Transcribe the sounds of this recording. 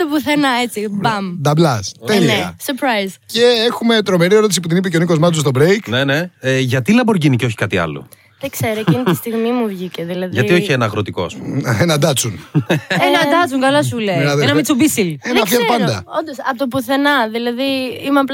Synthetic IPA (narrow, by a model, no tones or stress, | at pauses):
t̪opuθenɐe̞t͡sibɐmd̪ɐblɐst̪eliɐ̰seɾpɾɐjzceexume̞t̪ɾo̞me̞ɾieɾo̞t̪isiput̪inip̬eceo̞niko̞zmɐt͡sost̪obɾejkneneeʝɐt̪ilɐboɾʝiniceo̞çi̥kɐt̪iɐ̰lo̰ | ðekse̞ɾoinist̪iɣmimuvʝiceðilɐðʝɐio̞çienɐːɣɾot̪iko̞ɐ̰spṵenɐd̪ɐt͡sunenɐd̪ɐt͡suŋkɐlɐsuleenɐðnɐmit͡subisilenɐfiɐpɐnd̪ɐ̰ond̪osɐpot̪opuθe̞nɐðilɐðiimeɐpl